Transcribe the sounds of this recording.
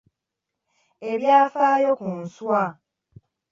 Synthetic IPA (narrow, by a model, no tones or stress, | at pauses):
eβjaːfaːjokun̩swa